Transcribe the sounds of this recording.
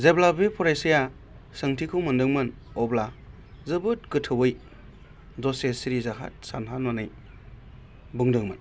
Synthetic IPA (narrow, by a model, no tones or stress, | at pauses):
zeblabepʰɔɾajsija | sɯŋtʰikʰɯmɯndɯŋmɯn | ɔbla | zɯbɯt̚kɯtʰɯwɯj | zɔsesiɾizaɦa̰t̚sanɦanmɔnɯj | buŋdɯŋma̰n